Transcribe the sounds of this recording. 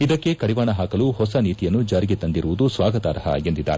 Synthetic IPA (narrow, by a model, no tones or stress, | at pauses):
id̪ɐkːe̞kɐɽiʋaːɳɐɦaːkɐluhɔsɐniːt̪ijɐnːud͡ʒaːɾiɡet̪ɐnd̪iɾuʋud̪usʋaːɡɐt̪aːɾɐɦɐ̰end̪id̪ːa̰ːɾe